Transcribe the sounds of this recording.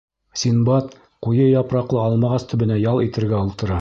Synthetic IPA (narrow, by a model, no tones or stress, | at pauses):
sʲinbɑt̪ | qujɤjɑpɾɑqlˠɤɑlˠmɑʁɑst̪ʰɵ̆bɘ̆næjɑlˠit̪ɘ̆ɾɡæulˠt̪ɤ̆ɾɑ